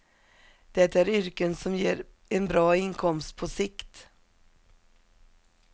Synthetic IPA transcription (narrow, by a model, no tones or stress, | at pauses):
d̪̥ɛt̪ːaæɾʏɾkənsɔmjeːɾ | ɛnbɾɑːɪnkʰɔmst̪̚pʰɔsɪkt̪